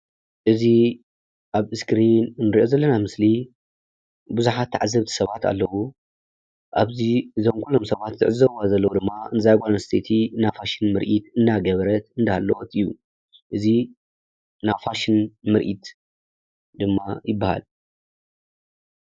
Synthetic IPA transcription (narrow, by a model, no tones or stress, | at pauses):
ʔɨzi | ʔaβɨskɾinnːɨɾiʔozɐlːɐnamɨsli | buzuħat̪ʰːa̰ʕazɐβt̪ʰi̥sɐβat̪ʰa̰lːɐwu | ʔaβzizomkʰulːomsɐβat̪zɨʕɨzɐβazɐlːɐwud̪ɨmːaɨnɨzajɡʷʼanɐst̪ʰet̪ʰinafaʃinmɨɾʔit̪ɨnːaɡɐβɾɐt̪ɨnd̪ahalːowʔot̪ɨjːu | ʔɨzi | nafaʃinmɨɾʔit̪ | d̪ɨmːajɪbːaha̰l